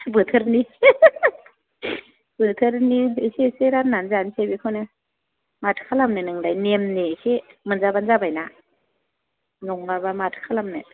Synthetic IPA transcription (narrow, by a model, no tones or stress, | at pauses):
bɯtʰɯɾni | b̥ɯtʰɯɾniiseseɾananzansebikʰɯnɯ | matʰkʰalamnɯnɯŋdajnemnesemɯnzabanzabajna | nɔŋmaɾbamatʰkʰalamnɯ